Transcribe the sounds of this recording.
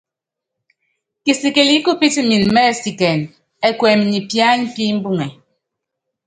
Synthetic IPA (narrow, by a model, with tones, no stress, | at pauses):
ki˨si˨ke˨li˦ku˦pi˦ti˦mi˨n˨mɛ˦˨si˨kɛ˨n | ɛ˦kwɛ˨m˨ɲi˨pja˦ɲ̩˦pi˦m̩˦bu˦ŋɛ˨